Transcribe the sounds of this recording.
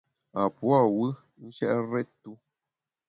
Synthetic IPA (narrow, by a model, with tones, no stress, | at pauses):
a˨pwa˦˨wɨ˦ | n̩˦ʃɛ˦ʔɾɛ˦tu˦